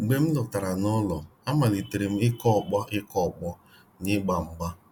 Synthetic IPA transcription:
ɡ͡be˦m̩˦dɔ˨ta˨ɾa˨nɔ˦lɔ˨a˦ma˨li˨te˨ɾe˨m̩˦ɪ˦kɔ˦˨k͡pɔ˦ʔɪ˦kɔ˦˨k͡pɔ˦ | nɪ˦ɡ͡ba˨m̩˨ɡ͡ba˦

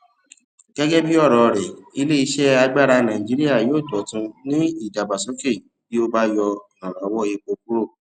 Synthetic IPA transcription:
ɡ̥ɛ˦ɡɛ˦bi˦ɔ˦˨ɾɔ˨˧ɾɛ˨i˧le˦i˧ʃɛ˦a˧ɡ͡ba˦ɾa˧nã˨ĩ˨d͡ʒi˨˦ɾi˦ja˦˨joː˦˨tɔ˨˦tũ˧nĩ˦i˦˨da˨ba˨sõ˨˦fe˦˨ | bi˦o˦ba˦jɔ˧˨nɔ̃˨ɾɔ̃˨ɔ˦wɔ˦i˧k͡po˧k̚u˦ɾo˦˨

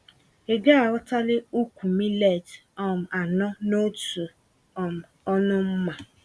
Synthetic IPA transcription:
e˨ɡa˦a˨ɔ˦ta˦lɪ˦u˦kʷu˨mi˦le˦˨tɔ˦m̩˨a˨nɔ˦no˦tu˨ | ɔ˨m˨ | ɔ˦nʊ˦m̩˦ma˨

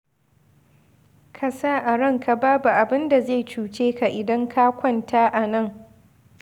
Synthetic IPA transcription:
kʰa˨saː˦˨ʔa˨ɽɐ˦ŋka˨baː˦bu˨ʔa˨bɪ˦nda˨ze˦˨t͡ʃuː˨t͡ʃeː˦ka˨ʔɪ˨dɐ˦ŋkʰa˦kʷɔ˦˨ntaː˦ʔa˨nɐ˦˨ŋ

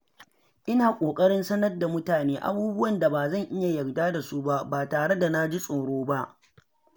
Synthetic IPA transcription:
ʔɪ˦naː˨kʷʼoː˨kʼɐ˦ɽɪ˦nsɐ˦nɐ˦rda˨mʊ˦taː˨neː˦ʔa̰˦buː˦bʊ˦wɐ˨nda˨baː˨zɐ˦˨ŋʔɪ˦ja˨jɐ˨rdaː˦da˨su˦ba˦baː˨taː˨ɽe˦da˨na˦d͡ʒi˦sʼoː˨ɽoː˦ba˦ʔ

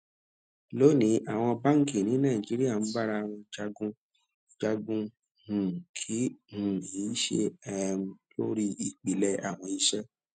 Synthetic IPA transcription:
lo˦˨nĩ˨˦ʔa˦˨w̃ɔ̃˧ba˦ŋ̩˦˨ki˨nĩ˨˦nãː˦˨ĩ˨d͡ʒi˨˦ɾi˦a˦˨n̩˦ba˦ɾa˧a˨w̃ɔ̃˧d͡ʒa˧ɡũ˧˨ | d͡ʒa˧ɡũ˧ | hũ˨kʰi˦hũ˨i˨˦ʃḛ˧ɛ˦m̩˨˦to˦ɾi˦i˨k͡pi˨lɛ˧a̰˦˨w̃ɔ̃˧i˧ʃɛ˦

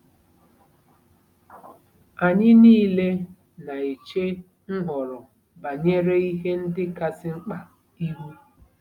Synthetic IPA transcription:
a˨ɲɪ˦niː˦le˦ | na˨e˨t͡ʃe˦ | ŋ̩˦ɦɔ˨ɾɔ˨ | ba˨ɲe˦ɾe˦i˦ɦe˦n̩˦dɪ˦ka˦sɪ˦ŋ͡m̩˦k͡pa˨ | i˦wu˦

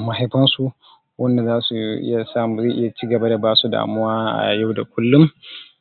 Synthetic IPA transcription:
ma˨ɦa˦jbɐ˦nsu˨ | wɐ˦nda˨zaː˦su˨ʔɪ̰˦ja˨saː˦mu˨zaː˦ʔɪ˦ja˨t͡ʃi˦ɡɐ˨ba˦da˨baː˦su˨da̰ː˨mʊ˦waː˦ʔa̰˨ja˦wda˨kʷʊ˦lːʊ˦m

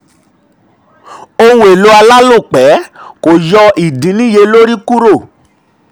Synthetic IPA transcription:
o˧wũ˦e˨lo˨˦a˧la˦lo˦˨k͡pɛ˨˦ko˨jɔ˧ʔi˨dĩ˨˦nĩ˦je˧lo˦ɾi˦ku˦ɾo˦˨

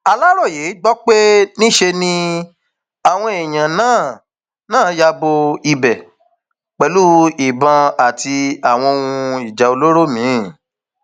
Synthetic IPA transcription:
a˧la˦ɾɔ˦˨je˨˦ɡ͡bɔ˦k͡pe˦nĩ˦ʃe˧nĩ˧ | a˨w̃ɔ̃˧e˨j̃ã˨nãː˦˨ | nãː˦ja˧bo˧i˧bɛ˨ | k͡pɛ˨˧lu˦i˨bã˧a˨ti˧a˦˨w̃ɔ̃˧o˧wũ˧i˨d͡ʒa˨o˧lo˦ɾo˦˨mĩ˨˦˨

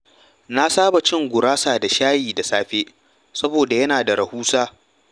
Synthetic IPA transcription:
na˦saː˦ba˨t͡ʃɪ˦ŋɡʷʊ˨ɾaː˦saː˨da˨ʃaː˦jiː˨da˨saː˦ɸeː˦ | sɐ˦boː˨da˨jɐ˦naː˨da˨ɾɐ˨huː˦saː˦

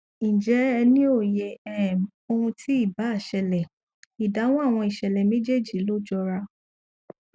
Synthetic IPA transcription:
nĩ˨d͡ʒɛ˨˦ɛ˧nĩ˦o˦˨je˨ɛ˨ | o˧ũ˧tʰi˦i˦˨ba˨˦a˦˨ʃɛ˨lɛ˨ | i˨da˨˦w̃ɔ̃˦a˦˨w̃ɔ̃˧i˨ʃɛ˨lɛ˨mẽ˦d͡ʒe˦˨d͡ʒi˨˦lo˦d͡ʒɔ˧ɾa˧

